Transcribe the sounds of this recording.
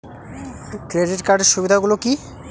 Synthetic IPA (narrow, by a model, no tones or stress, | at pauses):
kɾeɖiʈkaɾɖeɾʃubid̪ʱaɡuloki